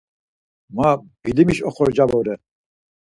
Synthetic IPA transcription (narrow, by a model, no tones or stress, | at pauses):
mabilimiʃɔχɔɾd͡ʒabɔɾɛ